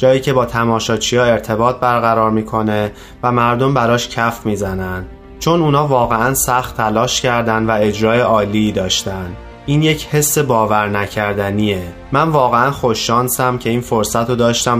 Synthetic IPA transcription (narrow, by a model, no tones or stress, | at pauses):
d͡ʒɒːjiːcʰe̞bɒːt̪ʰæmɒːʃɒːt͡ʃʰijɒːe̞ɾt̪ʰe̞bɒːt̪̚bæɾɣæɾɒːɾmiːkʰo̞ne̞ | væmæɾd̪o̞mbæɾɒːʃcʰæfmiːzænænd̪ | t͡ʃʰonuːnɒːvɒːɣeænsæxt̪ʰːælɒːʃcʰæɾd̪ænd̪væe̞d͡ʒɾɒːjeʔɒːliːd̪ɒːʃt̪ænd̪ | ʔiːnje̞cʰhe̞sːebɒːvæɾnæcʰæɾd̪ænie | mænvɒːɣeænxo̞ʃːɒːnsæmcʰe̞iːnfo̞ɾsæt̪ʰod̪ɒːʃt̪æm